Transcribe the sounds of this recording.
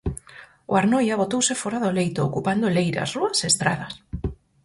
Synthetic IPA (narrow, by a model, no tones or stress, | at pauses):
oaɾnɔjaβ̞ot̪owsɪfɔɾaðolejt̪oːkupand̪olejɾa̰sruɐseest̪ɾa̰ðɐs